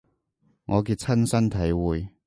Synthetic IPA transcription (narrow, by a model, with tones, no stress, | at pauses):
ŋɔː˨˧k̬iː˧t̚t͡sʰɐ˥nsɐ˥nt̪ʰɐ˨˦jwuː˨j